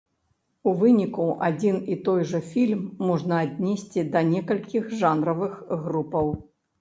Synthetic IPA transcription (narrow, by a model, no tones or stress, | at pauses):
uvɨnʲikuʔad͡zʲinit̪ɔjʐɐfʲilʲmːɔʐnɐadʲnʲesʲt͡sʲid̪ɐnʲɛkɐlʲkʲixʐanɾɐvɨxɣɾupɐw